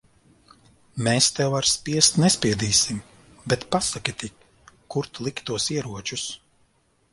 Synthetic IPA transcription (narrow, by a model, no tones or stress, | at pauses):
meːst̪ɛwvaɾspʲiɛst̪nɛspʲiɛd̪iːsim | bɛt̪pasakʲit̪ikː | uɾt̪lˠikt̪uɔsiɛɾuɔt͡ʃus